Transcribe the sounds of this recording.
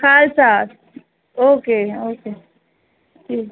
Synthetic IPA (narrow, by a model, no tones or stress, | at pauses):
kʰaːlsaːt̪ | oːkeːoːkeː | d͡ʒiːk